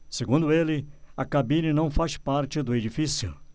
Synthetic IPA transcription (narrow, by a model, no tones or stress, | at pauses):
seɡũnd̪ʊelɪɐkabĩnɐnɐ̃w̃faspaɾt͡ʃɪd̪ʊed͡ʒifisjʊ̰